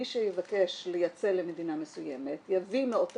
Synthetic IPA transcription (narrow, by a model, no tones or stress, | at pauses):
iʃejevakeʃlejat͡selemed̪inamesuje̞me̞t̪javimeo̞t